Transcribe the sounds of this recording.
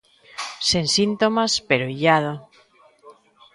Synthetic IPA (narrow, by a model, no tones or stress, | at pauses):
sensint̪omaspeɾoiʎaðo